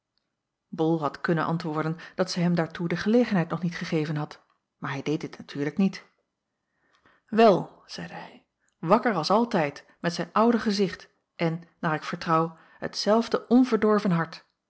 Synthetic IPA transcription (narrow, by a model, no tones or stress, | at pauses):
bɔlˠɦɑtkɵnənʔɑ̰ntʋʊːɹdənd̥ɑtsɛjɦɛmdaːɹtudəχəlejχənɦɛjtnɔχnitχəχejvənɦɑt | maːɹɦɛjdejtdɪtnatʰyːɹləknit | ʋɛlˠ | z̥ɛjdəɦɛj | ʋɑkəɹɑlˠsɑlˠtɛjt | mɛtsɛjnʌwdəχəzɪχt | ʔɛnːaːɹɪkfəɹtrɑw | ɦə̰tsɛlˠvdəʔɔnvəɹdɔɹvənɦɑɹt